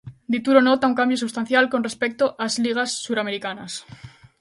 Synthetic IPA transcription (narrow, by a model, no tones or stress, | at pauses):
d̪it̪uɾonot̪auŋkambjosuβst̪an̟θjalko̞nre̞spek̚t̪oʔazliɣ̞asːuɾameɾikanas